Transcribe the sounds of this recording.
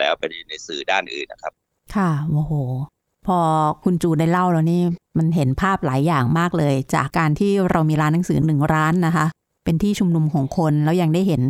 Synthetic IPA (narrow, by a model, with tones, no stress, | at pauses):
lɛ̰ː˦˥wpa˧nu˨˩na˧jsɯː˨˩˦daː˥˩nʔɯ̰ː˨˩nːa̰˦kʰɾa˦˥p̚ | kʰa˥˩ʔoː˨˩hoː˨˩ | pʰɔː˧kʰu˧nt͡ɕuː˧˩da˥˩jla˥˩wla˧wniː˦˥˩ma˧nɦe˩˦npʰaː˥˩p̚laː˩˦jːaː˨˩ŋmaː˥˩k̚lɤː˧jt͡ɕa̰ː˨˩kːaː˧nt̪ʰiː˥˩ɾa˧wmiː˧ɾaː˦˥nːa˦˥ŋsɯː˩˦nɯ˨˩ŋɾaː˦˥nːa˦˥kʰa˦˥ʔ | pe˧nt̪ʰiː˥˩t͡ɕʰu˧mnu˧mkʰɔː˩˦ŋkʰo˧nlɛː˦˥wja˧ŋdaː˥˩jɦe˩˦n